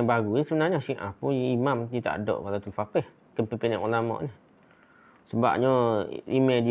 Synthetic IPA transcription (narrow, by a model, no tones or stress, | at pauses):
baɡuisəbənaɲasiʔa̰puimamt̪it̪a̰ʔdo̰ʔpalat̪əlfakeh | kənpəpinaʔulamɔ̰ʔnih | səba̰ʔ̚ɲɔimɛdi